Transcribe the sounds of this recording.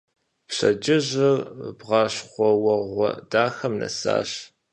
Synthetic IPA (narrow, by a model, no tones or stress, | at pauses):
pɕɐd͡ʒɪʑɨrbʁɑːɕχʷɔwɐʁʷɔ̰daːxɐmnɐ̰sa̰ːɕ